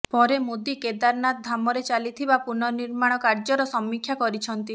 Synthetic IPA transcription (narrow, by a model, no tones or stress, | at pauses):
pɔɾemod̪iked̪aɾnat̪̚d̪ʱamɔɾet͡ʃalit̪ʰibapuɾnɔniɾmaɽ̃ɔkaɾd͡ʒɔɾɔsɔmːikʰːjakɔɾit͡ʃʰɔnt̪i